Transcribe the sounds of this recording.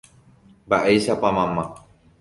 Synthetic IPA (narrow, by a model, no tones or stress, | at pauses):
baʔejsapamamːa